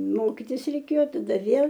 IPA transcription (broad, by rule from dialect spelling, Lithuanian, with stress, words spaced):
ˈmoːkʲɪtʲɪs rʲɛɪˈkʲeːjoː tɐˈdɐ ˈʋʲeːlˠ